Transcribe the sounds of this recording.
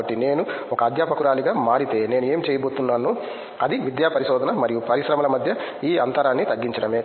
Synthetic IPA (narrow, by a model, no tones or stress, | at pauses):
ɐʈːine̞ːnu | ɔkɐɐːd̪ʱjaːpɐkuɾaːliɡaːmaːɾit̪e̞ːne̞ːnueːmit͡ʃeːjɐbo̞ːt̪unːaːnuː | ɐd̪iʋid̪jaːpɐɾiʃɔːd̪ʱɐnɐmɐɾijupɐɾiʃɾɐmɐlɐmɐd̪ʱjɐ | iːɐnt̪ɐɾaːnːit̪ɐɡːiɲt͡ʃɐɽɐmeː